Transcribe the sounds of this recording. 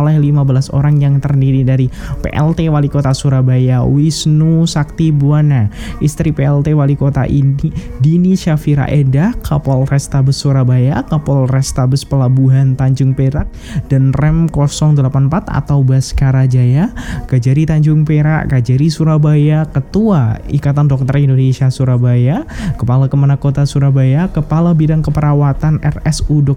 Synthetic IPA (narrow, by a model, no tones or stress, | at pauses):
olɛhlimabəlaso̰ɾaŋjaŋt̪ərdiɾidaɾipḛʔɛ̰lt̪ewalikot̪asuɾabajawisnusak̚t̪ibuanaist̪ɾipeɛlt̪ewalikot̪a̰ʔi | diniʃafiɾa̰ʔedahkʰapɔlrɛst̪abəsːuɾabajakapɔlrɛst̪abəspəlabuɦant̪aɲd͡ʒʊŋpeɾaʔ̚d̥anrɛmkɔsɔŋdəlapanmpat̪a̰t̪awbaskaɾad͡ʒajakad͡ʒaɾit̪aɲd͡ʒʊŋpeɾa̰ʔkad͡ʒaɾisuɾabajakət̪uaḭkat̪andɔk̚t̪ərindonesiasuɾabajakəpalakəmanakot̪asuɾabajakəpalabidaŋkəpəɾawat̪anɛ̰rɛsudɔk̚